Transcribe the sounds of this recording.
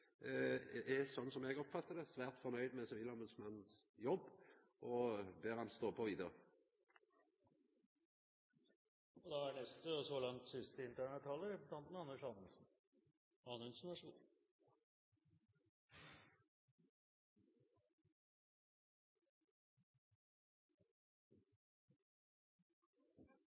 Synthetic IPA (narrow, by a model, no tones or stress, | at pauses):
ɛsɔnːsɔmɛɡɔpfɑt̪ːəd̪ɛsʋæːʁt̪fɔʁnœʏd̪mɛsɛʋɪlɔmbʉd̪smɑnn̩sjɔbː | ʔɔbøːʁhɑnst̪oːpʰɔʋiːd̪əʁə | ɔd̪ɑænɛst̪əsɔlɑŋt̪sɪst̪əɪnt̪ʰæːɳət̪ʰɑːləlɑnt̪mɛɑnːəʂɑnəsn̩ | ɑnʉnsnɑʂṵːn